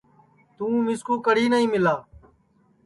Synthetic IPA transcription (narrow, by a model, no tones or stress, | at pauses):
t̪ũːmɪskuːkəɽ̤iːnəɦĩːmɪlaː